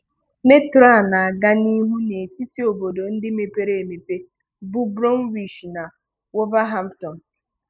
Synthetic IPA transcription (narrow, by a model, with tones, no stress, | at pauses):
me˦tɾa˦˨na˨a˨ɡa˦ni˦ɦu˦ne˨ti˦ti˦o˨bo˨do˨n̩˦dɪ˦me˨pe˦ɾe˨e˨me˨pe˦ | bu˦bɾo˦n̩˦wi˨ʃna˨ | wo˦ba˦ɦa˦m̩˦tɔ˨n̩˨